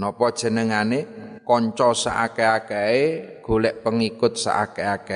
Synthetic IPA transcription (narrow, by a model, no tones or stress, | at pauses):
nɔpɔd̥ʒ̥ə̤nəŋanekɔɲt͡ʃɔsa̰ʔakeakeeɡ̥o̤lɛʔpəŋikʊt̪̚sa̰ʔa̰keake